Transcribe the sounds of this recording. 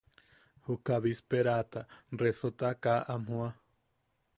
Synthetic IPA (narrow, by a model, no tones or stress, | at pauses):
hukaβispeɾat̪aresot̪akaʔam̥hũa